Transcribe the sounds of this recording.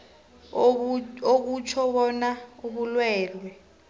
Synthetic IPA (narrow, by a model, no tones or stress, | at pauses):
ok̬ut͡ʃʰɔɓɔnauɓulwɛːlwɛ